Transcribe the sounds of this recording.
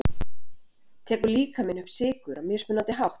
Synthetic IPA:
t̪ʰɛːkʏɾliːkamɪnʏhpsɪːkʏɾamjɛspʏnant̪ɪɦawht

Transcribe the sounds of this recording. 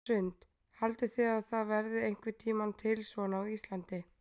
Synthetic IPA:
ʏnt̪ | halt̪ɪθɪaðθaðvɛɾðɪejŋ̥kvɪt̪ʰiːmant̪ʰɪlsvɔnawist̪lant̪ɪ

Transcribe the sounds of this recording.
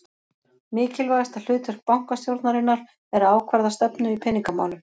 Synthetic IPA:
mɪːcɪlvajðast̪al̥ʏːt̪ʏr̥k̚pawŋ̥kast̪jowɾt̪naɾɪnːaɾ̥ | ɛɾaːwkʰvaɾðast̪ɛpnʏipʰɛniŋkama̰ːlʏ

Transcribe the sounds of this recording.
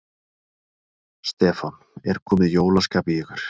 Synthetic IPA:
st̪ɛːfanɛɾkʰɔːmɪðjoːwlaskaːpɪjɛɣʏɾ̥

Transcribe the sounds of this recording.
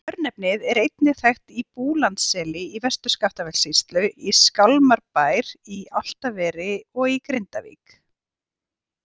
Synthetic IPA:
œɾnɛpnɪðɛɾejt̪nɪθajxt̪ipuːlant̪sɛːlɪivɛst̪ʏ̥skaft̪avɛlsist̪lʏiskalmaɾpaːjɾial̥t̪avɛːɾɪɔɣikɾejnt̪avḭːk

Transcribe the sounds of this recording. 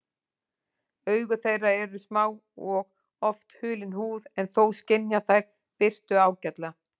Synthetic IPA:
œːɥɣʏθejrːaɛɾʏsmaːwɔɣ | ɔft̪hʏːlɪnhuːðɛnθowscɪnjaθajɾ̥ | pɪr̥t̪ʏaːwcɛt̪la

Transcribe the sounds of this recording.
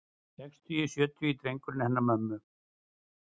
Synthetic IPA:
sɛkst̪ʰiisjœːt̪ʰjʏit̪ɾejŋkʏɾnɪhɛnːamœmːʏ

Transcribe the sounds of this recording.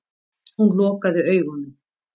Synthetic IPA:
hunlɔːkaðʏœːɥɣʏnːʏm

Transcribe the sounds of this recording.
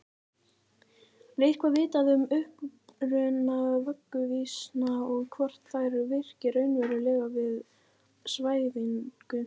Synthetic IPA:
ɾejr̥kʰvavɪːt̪aðʏmʏhpɾʏnavœkːʏvisnaɔɣkʰvɔr̥t̪θaːjɾʏvɪr̥cɪɾœɥnvɛɾʏlɛːɣavɪð | svaːjðiŋkʏ

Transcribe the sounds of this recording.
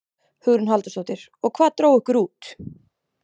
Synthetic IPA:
hʏɣɾʏnɦalt̪asowt̪ɪɾ̥ | ɔɣkʰvaːðt̪ɾoːwʏhkʏɾuːt̪

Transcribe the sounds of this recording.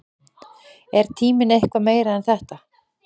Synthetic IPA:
ɛɾ̥t̪ʰiːmɪnejhkvameːjɾaɛnθɛht̪a

